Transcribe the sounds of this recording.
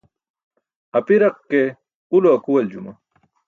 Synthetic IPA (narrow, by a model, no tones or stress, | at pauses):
ɐpiɾɑq̚ke | uloakuwald͡ʑuma